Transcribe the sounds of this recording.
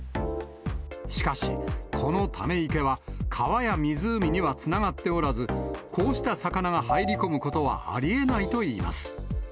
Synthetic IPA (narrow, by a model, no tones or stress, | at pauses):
ɕi̥kaɕḭkʰo̞no̞t̪ʰame̞ike̞βakʰaβajamʲizɨːmʲiɲ̟iβat͡sɨnaɡat̪ːe̞o̞ɾazɨkʰo̞ːɕi̥t̪asakanaɡahaiɾʲiko̞mɯ̟ko̞t̪o̞βa̰ʔa̰ɾʲie̞nait̪o̞iːma̰sɨ̥